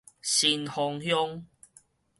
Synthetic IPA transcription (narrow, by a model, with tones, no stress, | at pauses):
ɕi˧nhɔ˧ŋhjɔ˦ŋ